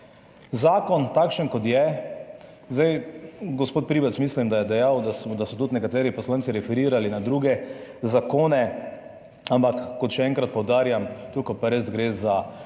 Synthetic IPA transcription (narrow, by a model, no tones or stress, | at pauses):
zaːkɔnt̪akʃənkɔt̪jɛ | zd̪ajɡɔspoːt̪̚pɾiːbɛt̪smislimd̪ajɛd̪ɛjawd̪asd̪asɔt̪ut̪nɛkat̪ɛːɾipɔslaːnt̪siɾɛfɛɾiːɾalinad̪ɾuɡɛzakoːnɛ | ampakːɔt̪ʃɛɛŋkɾat̪̚pɔwd̪aːɾjamt̪ukɔpaɾezɡɾeza